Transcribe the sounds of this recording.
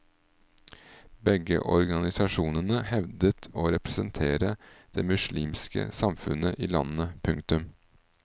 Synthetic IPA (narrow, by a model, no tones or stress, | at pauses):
bɛɡə̰ʔɔɾɡɑnɪsɑʃuːnənəhɛʋd̪ət̪ʰoːɾɛpɾəsənt̪ʰeːɾəd̪̥eːmʉʃliːmskə̰sɑmfʉnəʔiːlɑnəpʰʉŋkt̪ʉm